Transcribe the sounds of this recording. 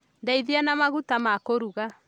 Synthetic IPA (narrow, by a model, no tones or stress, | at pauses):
ndɛiðianamaɣutamakoɾuɣa